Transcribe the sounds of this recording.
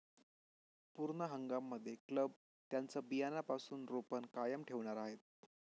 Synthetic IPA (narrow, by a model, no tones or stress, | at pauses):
puɾɳəɦəŋɡamːəd̪ʱːjekləb̚ | t̪jant͡səbijanapasuːnɾopənkajəmʈʰeʋɳaɾaɦet̪̚